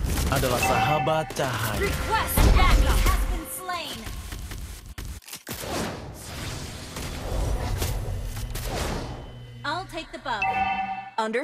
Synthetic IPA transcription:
adalasaɦabat̪̚t͡ʃaɦajɨkʰwɛstɨ̃dæɡəhəzbɨ̃nslẽɪ̃n | aɪlˠtʰeɪk̚ðɨbʌ | ʌ̃ndə

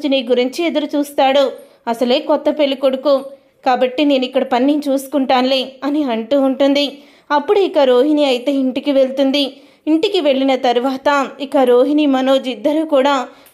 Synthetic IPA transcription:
d͡ʒiniːɡuɾiɲt͡ʃied̪ɐɾut͡ʃuːst̪aːɽu | ɐsɐle̞ːkɔt̪ːɐpe̞lːukoɽuku | kaːbɐʈːine̞ːnuikːɐɽɐpɐnːint͡ʃuːsu̥kuɳʈaːnleːɐniɐɳʈuːɳʈund̪i | ɐpːuɽuikɐɾoːɦiniɐjit̪eːiɳʈikiʋe̞ɭt̪und̪i | iɳʈikiʋe̞ɭːinɐt̪ɐɾʋaːt̪ɐikɐɾoːɦinimɐnoːd͡ʒid̪ːɐɾuːkuːɽaː

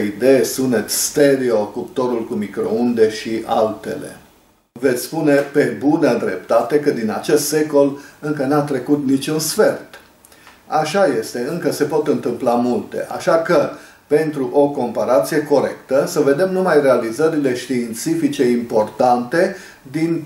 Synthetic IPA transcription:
id̪e̞jesune̞t̪sʲst̪eɾiokup̚t̪o̞ɾulkumikɾo̞̰und̪e̞ʃiʔa̰lt̪e̞̰le̞̰ | ve̞t̪sʲspune̞pe̞bunəd̪ɾe̞̰p̚t̪at̪e̞kəd̪inat͡ʃe̞st̪se̞ko̞lɨŋkənat̪ɾe̞kut̪nit͡ʃunsfe̞rt̪ | aʃaje̞st̪e̞ɨŋkəse̞po̞t̪ɨnt̪ɨmplamult̪e̞̰ʔa̰ʃakə | pe̞nt̪ɾuʔo̞ko̞mpaɾat̪sije̞ko̞ɾe̞kt̪əsəve̞d̪e̞mnumajre̞alizəɾile̞ʃt̪iːnt̪sifit͡ʃe̞impo̞rt̪ant̪e̞ | d̪in

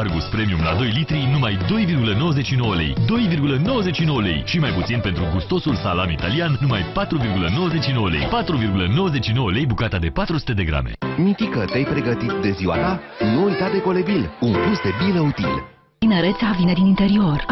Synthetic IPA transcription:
arɡuspɾe̞miumla̰d̪o̞jlit̪ɾinumajd̪o̞jvirɡuləno̞wəze̞t͡ʃʃino̞wəle̞̰jd̪o̞jvirɡuləno̞wəzet͡ʃʃino̞wəle̞̰jʃimajput̪sinpent̪ɾuɡust̪o̞sulsalamit̪aliannumajpat̪ɾuvirɡuləno̞wəze̞t͡ʃʃino̞wəle̞̰jpat̪ɾuvirɡuləno̞wəze̞t͡ʃʃino̞wəle̞jbukat̪ad̪e̞pat̪ɾusu̥t̪e̞d̪e̞ɡɾa̰mḛmit̪ikət̪eajpɾe̞ɡət̪it̪d̪e̞ziwa̰t̪a | nuːjt̪ad̪e̞ko̞le̞bilunplusd̪e̞biləut̪ḭl | inəɾet̪sʲavine̞d̪inint̪e̞ɾio̞r

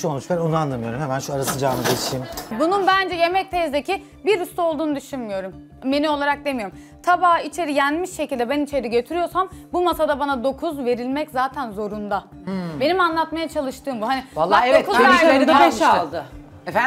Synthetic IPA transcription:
ʃuonut͡ʃkaɾonuanlˠamɯjo̞ɾumhemænʃuaɾasɯd͡ʒaːmɯd̪et͡ʃimbununbænd͡ʒɛje̞mɛc̚t̪ʰezd̪ecʰi | biɾyst̪ʰo̞lˠd̪uːnud̪yʃynmijo̞ɾum | be̞niolˠaɾak̚d̪e̞mijo̞ɾum | t̪ʰabaːit͡ʃʰe̞ɾijænmiʃʃe̞cʰilʲd̪ɛbænit͡ʃʰe̞ɾiɟø̞t̪ʰyɾyjo̞ɾsambumasad̪abanad̪o̞kʰuzve̞ɾilʲmɛczaːt̪ʰænzo̞ɾund̪a | be̞nimanlˠat̪majat͡ʃʰalˠɯʃt̪ɯːmbuɦanivalːˠaeokuzaeid̪ʃalˠd̪ɯ

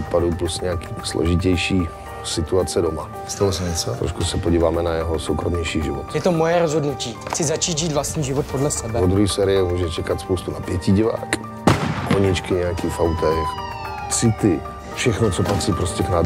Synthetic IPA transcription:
t̪paduplusɲɛaki̥ːslo̰ʒɪcɛjʃiː | sɪt̪uat͡sɛdoma | st̪alozɛmɛt͡sot̪ɾʔo̰ʃkusɛpoɟiːvaːmɛnajɛɦosowkɾomɲɛjʃiːʒɪvot̪jɛt̪omojɛɾozɦodnuciːxt͡sɪzat͡ʃiːt̪ʒiːt̪vlast̪ɲiːʒɪvot̪̚podlɛsɛbɛod̪ɾuɦiːsɛːɾɪjɛmuːʒɛɛt͡ʃɛkat̪spowst̪unapjɛciɟɪva̰ːk | ʔoɲɪt͡ʃkɪɲɛjakiːfawt̪ɛx | t͡sɪt̪ɪ | fʃɛxnot͡sopat̪r̥iːpɾoscɛknad

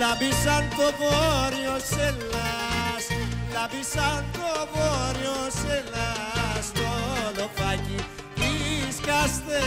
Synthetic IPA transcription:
labisaŋkoboɾiɔselaslabisaŋkoboɾiɔselastɔlɔfaɡi | iskast̪e

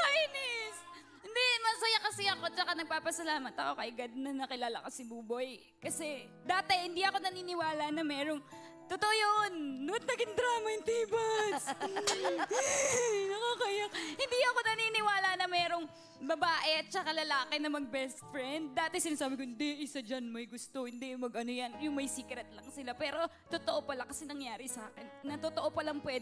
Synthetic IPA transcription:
ajnɪs | hɪnd̪ɛmɐsɐjɐkɐsɛɐko̞t͡ʃɐkanɐɡ̚paːpɐsɐlaːmɐt̪ɐko̞kɐʔɪɡɐd̪̚nɐnɐkɪlaːlɐkɐsɪbuːboj | kɐsɛ | d̪aːt̪ɛhɪnd̪iʔɐko̞nɐniːnɪwaːlɐnɐmɛːɾo̞ŋ | t̪ot̪oʔojonːwɐt̪̚nɐɡɪŋd̪ɾaːmɐjʊŋt̪iːbɐs | nɐkaːkɐjɐk̚hɪnd̪iːɐko̞nɐninɪwaːlɐnɐmɛːɾo̞ŋ | bɐbaːʔɛɐt̪̚t͡ʃɐkalɐlaːkɪnɐmɐɡ̚bɛst̪fɹɛnd̪̚ːaːt̪ɛsɪnaːsaːbɪkohɪnd̪ɛʔɪsɐd͡ʒɐnmɐjɡʊst̪ohɪnd̪ɛmɐɡʔɐnojɐnjʊŋmɐjsiːkɾɛt̪̚lɐŋsɪlapɛːɾo̞ | t̪ot̪oʔopɐlakɐsɛnɐŋjaːɾɪsaːkɛnːɐt̪ot̪oʔopɐlɐŋpwɛ

